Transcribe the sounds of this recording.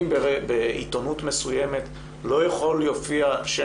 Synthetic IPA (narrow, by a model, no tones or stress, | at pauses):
mbbeʔḭt̪o̞nut̪me̞sujeme̞t | lo̞jeχoljo̞fiaʃe